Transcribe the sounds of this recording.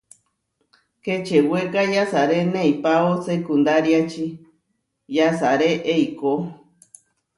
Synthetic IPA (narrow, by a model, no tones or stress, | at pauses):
ket͡ʃewekajasaɾenẽjpaosekund̪aɾjat͡ʃi | jasaɾeʔejko